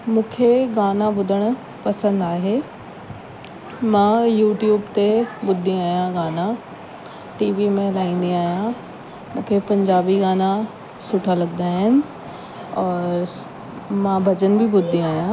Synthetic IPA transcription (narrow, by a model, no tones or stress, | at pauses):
mũːkʰeɡaːnãbʊd̪ʱəɽ̃ | pɐsə̃nd̪aːɦeː | mãːjuːʈjuːbt̪ebʊd̪ʱːĩaːjãɡaːnã | ʈiːʋimẽlaːĩːnd̪iaːjã | mũːkʰepɐ̃ɲd͡ʒaːbiɡaːna | sʊʈʰalɐɡd̪aɦɪnɪ̆ | ɔːɾɾ | mãːbʱɐd͡ʒənbʱibʊd̪ʱːĩaːjãː